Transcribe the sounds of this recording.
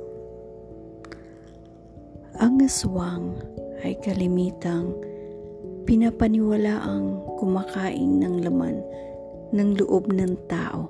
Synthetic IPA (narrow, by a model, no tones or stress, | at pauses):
ʔɐŋːɐswaŋʔɐjkɐlɪmiːt̪ɐŋ | pɪnapɐnɪwɐlaːʔɐŋkʊmakaːʔɪ̰ŋnɐŋlɐma̰nː | ɐŋlʊʔob̚nɐŋt̪a̰ːʔo̞̰